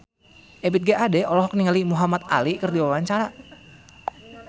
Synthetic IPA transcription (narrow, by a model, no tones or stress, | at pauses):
ʔɛbit̪̚ɡaʔadɛɔlɔɦɔk̚niŋalimuɦamat̪a̰likərdiwawaɲt͡ʃaɾa